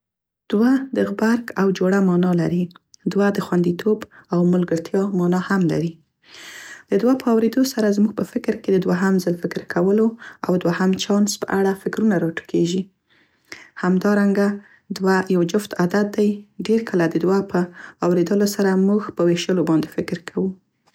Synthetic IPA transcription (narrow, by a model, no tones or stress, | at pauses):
d̪̥wad̪əɣbaɾkawd͡ʒoɽamɑnɑlaɾid̪wad̪əxwand̪it̪ʰobawmʊlɡəɾt̪jɑmɑnɑhamla̰ɾi | d̪̥əd̪wapəawɾed̪osaɾazmuɡ̚pəfɪkɾked̪əd̪waɦamzəlfɪkɾkʰawəloa̰wd̪wahamt͡ʃɑnspə̰ʔaɽafɪkɾunaɾɑʈə̥kʰeʒi | hamd̪ɑɾaŋɡa | d̪wajawd͡ʒʊft̪ad̪at̪̚d̪ajɖeɾkʰəlad̪əd̪wapʰəawɾed̪əlosaɾamuxpəweʃəlobɑnd̪efɪkɾkʰawu